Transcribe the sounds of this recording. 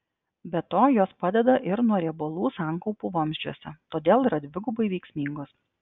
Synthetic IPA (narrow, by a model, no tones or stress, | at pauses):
bʲɛt̪oːjoːspɑd̪ʲɛd̪ɐʔɪɾnuɔɾʲibolˠuːsɑːˑŋkɔʊpuːʋɐmʲzʲd͡ʒʲuɔsʲɛ̰t̪oːd̪ʲeːlˠiːɾɐd̪ʲʋʲɪɡʊbɐɪʋʲɛɪksʲmʲiŋɡoːs